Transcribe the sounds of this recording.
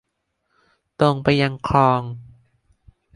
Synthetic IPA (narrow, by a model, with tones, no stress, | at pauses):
t̪o˧ŋpa˧jːa˧ŋkʰɔː˧ŋ